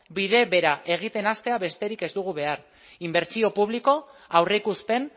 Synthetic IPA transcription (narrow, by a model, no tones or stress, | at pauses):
biðe̞βe̞ɾaʔe̞ɣ̞it̪e̞nast̪e̞aβe̞st̪e̞ɾike̞zd̪uɣ̞uβe̞aɾ | imbeɾt͡sio̞puβ̞liko̞awreikuspe̞n